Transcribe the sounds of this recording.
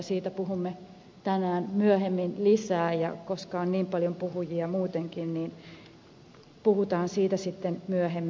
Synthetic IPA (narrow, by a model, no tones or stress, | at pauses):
siːt̪æpuɦumːe | t̪ænæːnmyøɦemːinlisæːjɑ̰koskɑonniːmpɑljompuhujiɑmuːt̪eŋkinniːn | puhut̪ɑːnsiːt̪æsit̪ːenmyøhemː